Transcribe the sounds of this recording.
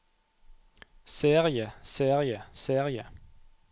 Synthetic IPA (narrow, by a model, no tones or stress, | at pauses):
seːʁɪəseːʁɪəseːʁɪə